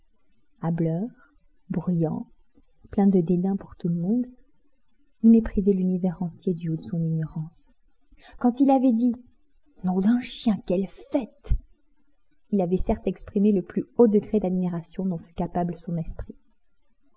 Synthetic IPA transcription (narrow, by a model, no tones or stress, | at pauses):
ablœːʁ | bʁyjɑ̰̃ | plɛ̃d̪əd̪ed̪ɛ̃puʁt̪uləmɔ̃d̪ | ilmepχizɛlynivɛʁɑ̃t̪jed̪yod̪əsɔ̃niɲɔʁɑ̃s | kɑ̃t̪ilavɛd̪i | nɔ̃d̪ɛ̃ʃjɛ̃kɛlfɛt̪ | ilavɛsɛʁt̪ɛkspχimeləplyod̪əɡʁed̪ad̪miʁasjɔ̃d̪ɔ̃fy̥kapabləsɔ̃nɛspχi